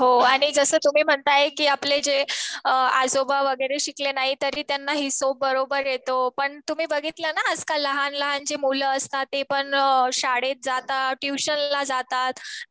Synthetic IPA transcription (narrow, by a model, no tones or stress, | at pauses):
ɦoaɽ̃id͡zəsəːt̪um̤iːm̤əɳt̪ajekiːapled͡ʑeəa̰d͡zobaʋəɡəɾeɕiklenaɦit̪əɾiːt̪janːaɦiːsobəɾobəɾjet̪opəɳt̪um̤iːbəɡit̪lanaəd͡zkaləɦanləɦand͡ʑemuləəst̪at̪ːepəɳɕaɽet̪̚d͡zat̪aʈjuɕənlad͡zat̪at̪